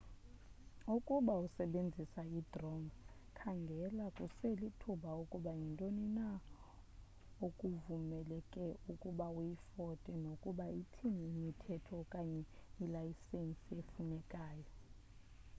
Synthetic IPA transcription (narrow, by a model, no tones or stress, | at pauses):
ukʼuɓausɛɓend͡zʱisaidrɔŋ | kʰaŋɡʱɛlakʼuselitʰuɓaukʼuɓajintʼonina | okʼuvumɛlɛkʼɛukʼuɓaujifɔtʼɛnokʼuɓaitʰinɛimitʰɛtʰɔkʼaɲɛilajisensʼiefunɛkʼaːjɔ